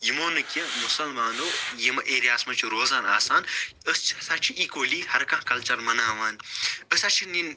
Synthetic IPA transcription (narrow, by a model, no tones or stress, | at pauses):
jimoːnɨkʲimʊsɐlmaːnoːjimɐʔeːɾijaːsmɐt͡ʃʰuɾoːzaːna̰ːsaːn | əst͡ʃʰisat͡ʃʰiʔiːkoːliːhɐɾkãɦkɐlt͡ʃɐlmɐnaːʋaːnəsɐt͡ʃʰinin